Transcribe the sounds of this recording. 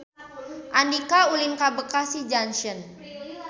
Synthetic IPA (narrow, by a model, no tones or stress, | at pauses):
ʔandikaulinkabəkasid͡ʒanʃən